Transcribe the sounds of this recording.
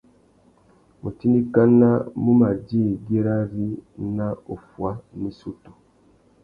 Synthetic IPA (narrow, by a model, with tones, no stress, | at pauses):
mu˨ti˦ndi˦ka˦na˦mu˦ma˨ɟi˦˨ɡi˦ɾa˦zi˦na˦o˨fwa˦mi˦su˦tu˨